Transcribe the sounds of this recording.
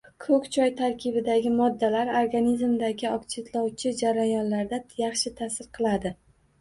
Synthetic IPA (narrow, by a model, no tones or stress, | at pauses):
kʰɵkʲt͡ʃʰɒjt̪ʰaɾkʲʰɪbɪd̪aɡʲɪmɒd̪ːalaɾoɾɡanizmd̪aɡʲɪɒkt͡ʃʰet̪lˠɒwt͡ʃʰɪd͡ʒaɾajɒnlaɾd̪ajɑχʃɪt̪ʰasɪɾqʰɨlˠad̪ɪ